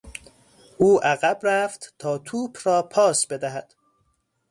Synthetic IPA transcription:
ʔuːʔæɣæbræft̪t̪ʰɒːt̪ʰuːbʰrɒːpʰɒːsbe̞d̪æɦæd̪̥

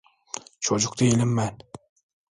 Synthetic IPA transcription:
t͡ʃʰɒd͡ʒʊq̚t̪aelɪmːan

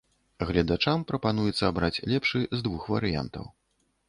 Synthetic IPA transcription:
ɣlʲɐd̪at͡ʂampɾɐpan̪ujɛt̪sːɐːbɾat͡sʲlʲɛpʂɨzd̪vuxvɐ̰ɾɨja̰nt̪ɐ̰w

